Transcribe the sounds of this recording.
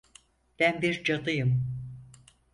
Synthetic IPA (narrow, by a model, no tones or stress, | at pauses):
b̥ænbiɾd͡ʒad̪ɯjɯm